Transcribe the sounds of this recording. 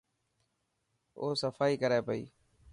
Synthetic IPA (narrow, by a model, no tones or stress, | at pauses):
oːsəfaːiːkəɾaːpəḭː